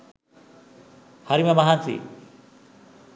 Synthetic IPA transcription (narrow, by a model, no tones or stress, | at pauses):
hʌɾimamʌɦant͡sḭ